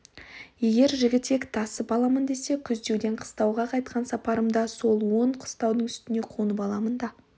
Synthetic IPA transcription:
je̞ɡʲe̞ɾʒɪɡʲɪt̪ːe̞kt̪ʰɑsəpɑlˠɑmənd̪e̞se̞kʲʰʏzd̪e̞wd̪e̞ɴqʰə̥st̪ɑwʁɑqʰɑjt̪̚qʰɑnsɑpɑɾəmd̪ɑso̞lˠwo̞ɴqʰə̥st̪ɑwd̪əɴʏst̪ɪne̞qʰonəpɑlˠɑmənd̪ɑ

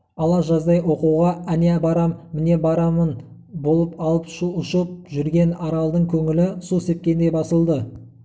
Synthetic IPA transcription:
ɑlˠɑʒɑzd̪ɑjwo̞quwʁɑænebɑɾɑmːɪne̞bɑɾɑmən | bo̞lˠəpɑlˠəpʃuʊʃəp̚ʒʏɾɡʲe̞nɑɾɑlˠd̪əɴkʲʰɵŋɪlɪsuse̞p̚kʲe̞nd̪ejbɑsəlˠd̪ə

